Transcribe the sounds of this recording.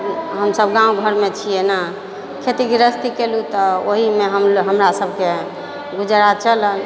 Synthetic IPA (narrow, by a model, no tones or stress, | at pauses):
ɦəmsəbɡãũɡʱəɾmet͡ʃʰijena | kʰet̪iɡiɾəst̪ikelut̪ɔoɦimeɦəmɦəmɾasəb̚ʱke | ɡud͡ʒɾat͡ʃələl